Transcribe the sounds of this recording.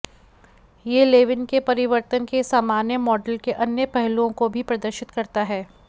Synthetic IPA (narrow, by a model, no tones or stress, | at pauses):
jeːleːʋɪnkepɐɾɪʋəɾt̪ənkesaːmaːnjəmɔːɖəlkeʔɐnjəpɛɦlõkobʱipɾɐd̪əɾʃɪt̪kɐɾt̪aɦɛː